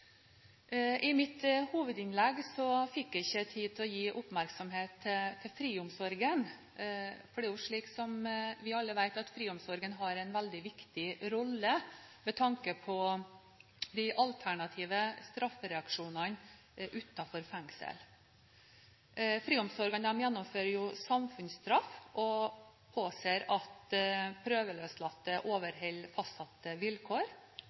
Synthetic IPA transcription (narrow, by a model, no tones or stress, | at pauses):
ʔɪmɪt̪huːʋəd̪ɪnlɛɡsɔfɪkːæɪçːət̪ʰiːt̪ʰɔjiːʔʊpmæɾksɔmɦeːt̪ʰːɪt̪ʰːɪfɾiːʊmsɔɾɡən | fɔɖɛjʊʂɭiːksɔmʋɪɑlːəʋæɪt̪ɑt̪fɾiːʊmsɔɾɡənɦɑɾæɪnʋæld̪ɪʋɪkt̪ɪɾɔlːəmɛt̪ʰɑŋkəpʰɔ | d̪æʔɑlt̪ʰæɳɑt̪ʰiːʋəst̪ɾɑfɾɛɑkʂuːnɑn | ʔʉːt̪ɑfɔɾfɛŋsə̰l | fɾiːɔmsɔɾɡɑnəmjɛnːɔmføːɾəjʊsɑmfʉnsst̪ɾɑfʔɔpʰoːseːɾɑt̪pʰɾøːʋəløːslɑt̪ːəʔoːʋəɾɦɛlfɑst̪ɑt̪ːəʋɪlkʰoːɾ